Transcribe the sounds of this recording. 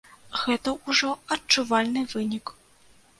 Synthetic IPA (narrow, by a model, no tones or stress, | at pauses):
ɣɛt̪ɐuʐɔɐt͡ʂːuvalʲnɨvɨnʲik